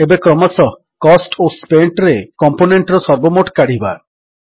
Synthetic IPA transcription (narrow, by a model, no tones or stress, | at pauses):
ebekɾɔmasɔ | kɔsʈospeɳʈɾekɔmponeɳʈɾɔsɔɾbomoʈkaɽ̤iba̰